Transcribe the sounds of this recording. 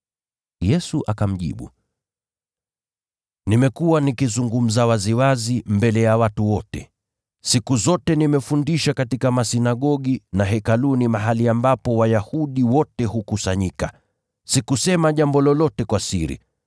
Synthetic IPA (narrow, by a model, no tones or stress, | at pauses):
jɛsuʔakam̩ʄḭɓṵ | nimɛkuwanikizuŋɡum̩zawaziwazimbɛlɛjawatuwɔtɛ̰ | sikuzɔtɛnimɛfundiʃakatikamasinaɠɔɠinaɦɛkalunimaɦaliambapɔwajahuɗiwɔtɛhukusaɲika | sikusɛmaʄambɔlɔlɔtɛkwasḭɾḭ